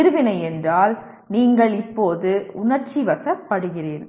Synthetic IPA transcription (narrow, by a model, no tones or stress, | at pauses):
ɪɾɯʋɪnɐɪɛndraːl | niːŋɡɐɭɪpːoːðɯʊɳɐɾt͡ʃiʋɐsɐpːɐɽɯɣɪreːn